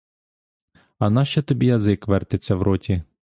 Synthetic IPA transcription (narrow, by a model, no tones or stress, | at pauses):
ɐnɑʃt͡ʃɛt̪ɔbʲijɐzɪkʋɛrt̪et͡sʲːɐwɾɔtʲi